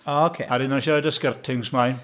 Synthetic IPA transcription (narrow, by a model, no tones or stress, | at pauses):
okʰeaɾɪnɔʃədəskərtʰɪŋsmaj